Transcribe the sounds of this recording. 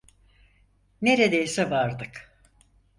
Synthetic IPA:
ne̞ɾed̪ejsɛvaɾd̪ɯk

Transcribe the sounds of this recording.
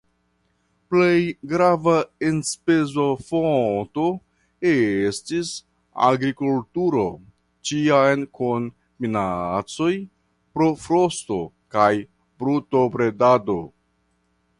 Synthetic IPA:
ple̞jɡɾavaenspezo̞foto | estis | a̰ɡɾikultuɾo̞ | t͡ʃiajnkon | minat͡so̞j | pɾo̞fɾo̞sto̞ | kaj | bɾutopɾe̞dado̞

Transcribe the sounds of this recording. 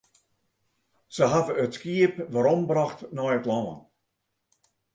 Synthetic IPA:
səɦadəətskiəpʋaɾɔmbraxtnɔjətlɔə̰n

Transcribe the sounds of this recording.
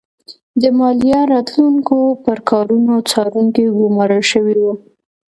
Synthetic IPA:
d̪əmɑlijɑɾɑt̪luŋkopəɾkɑɾunot͡sɑɾuŋkeɡʊmɑɾəlʃəwiwu

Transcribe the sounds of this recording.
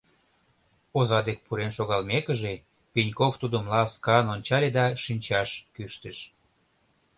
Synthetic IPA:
ozɑd̪ek̚puɾenʃoɣɑlmekəʒe | pinʲkoft̪ud̪əmlɑskɑnonʲt͡ɕɑlʲed̪ɑʃinʲt͡ɕɑʃkyʃt̪əʃ

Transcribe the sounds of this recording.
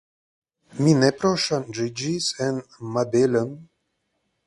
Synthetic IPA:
minɛpɾoʃanʐid͡ʒisɛnmabelən

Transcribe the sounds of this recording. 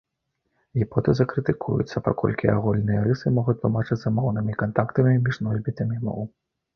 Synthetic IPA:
ɣʲipɔt̪ɨzɐkɾɨt̪ɨkʰujṵt̪sːɐpa̰kɔ̰lʲkʲiaɣulʲnɨjɐɾɨsɨmɔɣut̪lˠumat͡ʂɨt͡sʲzɐmɔwnɨmʲikant̪akt̪ɐmʲimʲiʐnɔzʲbʲit̪ɐmʲimɔ̰w

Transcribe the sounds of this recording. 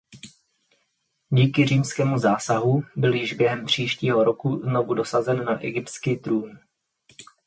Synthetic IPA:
ɟiːkɪr̝iːmskɛːmuzaːsaɦubɪljɪʒbjɛɦɛmpr̝̥iːʃciːɦo̞ɾokuzno̞vudo̞sazɛnːaʔɛɡɪpt̪t͡skiːt̪ɾuːn

